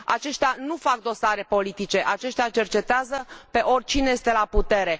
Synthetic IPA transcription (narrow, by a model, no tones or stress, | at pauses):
a̰t͡ʃe̞ʃt̪eanufak̚d̪o̞saɾe̞po̞lit̪it͡ʃe̞ʔat͡ʃe̞ʃt̪ʲat͡ʃe̞rt͡ʃe̞t̪eazəpe̞ʔo̞rʲt͡ʃineje̞st̪e̞laput̪e̞ɾe̞